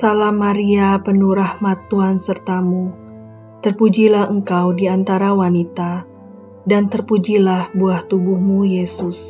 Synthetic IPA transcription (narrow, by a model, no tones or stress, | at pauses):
salamaɾiapənuɾahmat̪uansərt̪amu | t̪ərpud͡ʒilahəŋkawdiant̪aɾawanit̪a | dant̪ərpud͡ʒilahbuaht̪ubuhmujesʊs